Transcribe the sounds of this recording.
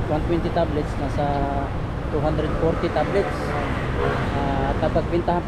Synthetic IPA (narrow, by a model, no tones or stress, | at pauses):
want̪wɛnt̪ɪt̪ablɛt̪snasa | t̪uɦand̪ɾɛd̪̚fɔɾt̪ɪt̪ablɛt̪s | at̪abaɡ̚pɪnt̪aɦan